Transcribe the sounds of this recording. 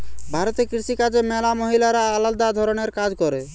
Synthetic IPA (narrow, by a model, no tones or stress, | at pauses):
bʱaɾɔt̪ekɾisikad͡ʒemɛlamɔɦilaɾaːlald̪ad̪ʱɔɾɔɽ̃eɾkad͡ʒkɔɾe